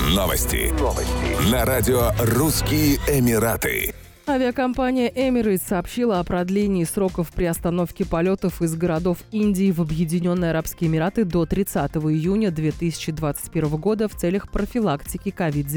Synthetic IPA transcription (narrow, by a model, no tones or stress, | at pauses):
no̰və̰sʲtʲɪ̰vənɐɾadʲɪoruskʲɪjəɪmʲɪɾat̪ɨ̰ | avʲɪəkɐmpanʲɪjəʔɛmʲɪɾəjt̪sɐːpɕːilˠəɐpɾɐd̪lʲenʲɪːsɾo̞kəfpɾʲɪɐst̪ɐno̞fkʲɪpɐlʲo̞t̪əfɨzɡəɾɐd̪o̞finʲdʲɪːvɐbjɪdʲɪnʲo̞nːɨjɐɾapskʲɪjəɪmʲɪɾat̪ɨd̪o̞t̪ɾʲɪt̪sat̪əvəɪjunʲəd̪vʲe̞t̪ɨsʲɪ̥t͡ɕɪd̪vat̪sɨ̥tʲpʲe̞ɾvəvəɡo̞d̪əft̪sɛlʲəxpɾəfʲɪlˠaktʲɪkʲɪkɐvʲid̪̚zʲ